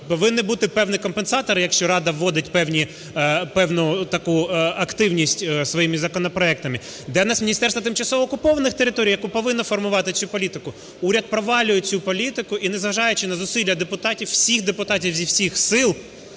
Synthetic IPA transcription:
pɔʋɪnːɪbut̪ɪpɛwnʲikɔmpensɑt̪ɔɾɪjɐkʃt͡ʃɔɾɑd̪ɐʋːɔd̪ɪtʲpɛwnʲi | pɛwnʊt̪ɐkuɐkt̪ɪwnʲisʲtʲsʋɔjimɪzɐkɔnɔpɾɔɛk̚t̪ɐmɪ | d̪ɛnɑsmʲinʲist̪ɛrsʋɐt̪ɪmt͡ʃɐsɔʋɔːkʊpɔʋɐnɪxt̪eɾɪt̪ɔɾʲijɐkupɔʋɪnːɔfɔrmʊʋɑt̪ɪsʲupɔlʲit̪ɪkʊ | uɾʲɐt̪̚pɾɔʋɑlʲʊjet͡sʲupɔlʲit̪ɪkʊʔinɛzɦɐʒɑjɛt͡ʃɪnɐzʊsʲilʲjɐd̪epʊt̪ɑtʲiwːsʲixd̪epʊt̪ɑtʲiwzʲiwsʲixsɪlˠ

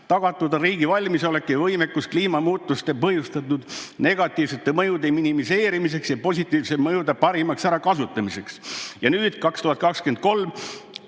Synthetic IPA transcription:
t̪ɑɡ̥ɑt̪ˑːud̪ɑɾiːɡ̥ivɑlʲmiso̞le̞kːˑevɤjmekːuskliːmɑmuːt̪ːˑust̪epɤhjust̪ɑt̪ːud̪̥ne̞ɡ̥ɑt̪ːˑiːvse̞t̪ːemɤjud̪eminimise̞ːɾimis̬e̞ksjɑpo̞sʲit̪ːˑiːvsemɤjud̪epɑɾimɑksæɾɑkɑsut̪ːˑɑmise̞ksjɑnyːd̪̥kɑkst̪uhɑt̪̚kɑksken̚ko̞lm

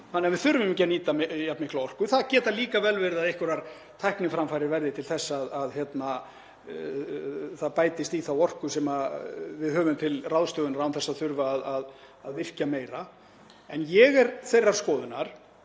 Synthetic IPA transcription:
θanːɛːavɪðθʏɾvɪmcɛnːiːt̪amjap̪nmɪhklawɔr̥kʏθaðcɛːt̪aliːkavɛlvɛɾðaðehkvʏɾaɾ̥ | t̪ʰajhknɪfɾamfajɾɪɾvɛɾðɪt̪ʰɪlθɛsːaːðaðçjɛt̪na | θaðpaːjt̪ɪst̪iθawɔr̥kʏsɛːmavɪðhœːvʏmt̪ʰɪlrawðst̪œːɣʏnaɾawnθɛsːaθʏɾvaːðað | aðvɪr̥cameːjɾa | ɛnjɛɣɛɾθejraɾ̥skɔːðʏnaɾ̥

